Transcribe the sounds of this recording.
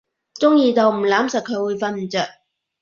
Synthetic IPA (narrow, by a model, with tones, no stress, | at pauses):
t͡sʊ˥ŋjiː˧t̪o˨˧wm̩˨˩laː˨˥msɐ˨t̚kʰɵ˨˧ɥwuː˨˧jfɐ˧nm̩˨˩t͡sœː˨˩k̚